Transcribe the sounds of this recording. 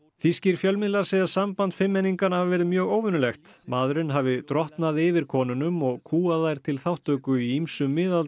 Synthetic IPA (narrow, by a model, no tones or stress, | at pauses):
θisciɾ̥fjœlmɪðlasejasampant̪fɪmːɛnːiŋkanahavvɛɾɪðmjœːɣoːwvʏnʏlɛxt̪maːðɾʏnɦavɪt̪ɾɔht̪naðɪvɪɾ̥kʰɔːnʏnʏmɔɣkʰuːaðajɾ̥t̪ʰɪlθawht̪œkʏiimsʏmːɪːðal